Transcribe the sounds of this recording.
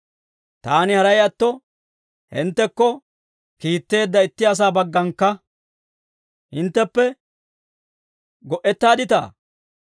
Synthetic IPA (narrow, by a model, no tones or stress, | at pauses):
t̪aːnɪhɐɾɐjɐt̪ːɔ | hɪ̰nt̪ːɛkːɔ | kiːt̪ːe̞ːd̪ːɐɪt̪ːɪɐs̬aːbɐɡːɐŋkːɐ | hɪnt̪ːɛpːɛ | ɡɔʔɛt̪ːaːd̪ɪt̪a̰ː